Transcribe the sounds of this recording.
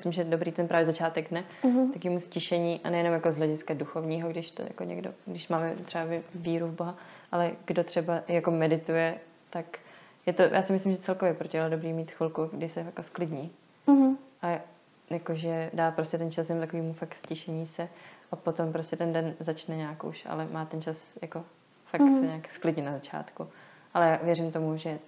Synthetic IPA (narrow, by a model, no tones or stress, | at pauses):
mɪslɪmʒɛdobɾiːt̪ɛnpɾaːvjɛzat͡ʃaːt̪ɛɡdnɛt̪akoviːmuscɪʃɛɲiːʔa̰nɛjɛnomjako̞zɦlɛɟɪskaduxo̞vɲiːɦoɡdɪʃt̪o̰ja̰ko̰ɲɛ̰ɡdo̰ɡdɪʃmaːmɛt̪r̥ɛavɪviːɾuvboɦaʔalɛɡdot̪r̝̥ɛbajako̞mɛdɪt̪ujɛ | t̪ak | jɛt̪ojʔaːsɪmɪs̬lɪmʒɛt͡sɛlkovjɛpɾocɪalodobɾiːmiːt̪xvɪlkuɡdɪsɛjakosklɪdɲiː | ʔa | jako̞ʒɛdaːpɾoscɛt̪ɛnt͡ʃasjɛmut̪akoiːmufakscɪʃɛɲiːsɛʔapo̞t̪o̞mpɾoscʲɛt̪ɛndɛnzat͡ʃnɛɲaːkʔṵʃa̰lɛmaːt̪ɛnt͡ʃasjako̞ | faksɛɲaːksklɪdɲɪnazat͡ʃa̰ːt̪ku | ʔalɛjaːvjɛɾimt̪o̞muʒɛ